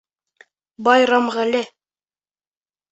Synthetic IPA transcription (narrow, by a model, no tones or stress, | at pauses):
bɑjɾɑmʁælɘ